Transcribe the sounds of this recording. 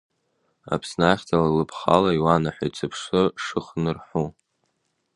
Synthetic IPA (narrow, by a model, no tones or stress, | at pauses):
a̰pʰsnaχʲtʰalalɨpʰχa̰laiwanaħʷajt͡sʰɨpʰʂɨʂɨχnɨrħu